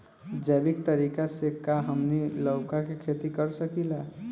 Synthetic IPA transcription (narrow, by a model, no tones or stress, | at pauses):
d͡ʒɛːbikt̪əɾikasekaɦəmniləʊkakekʰet̪ikəɾsəkila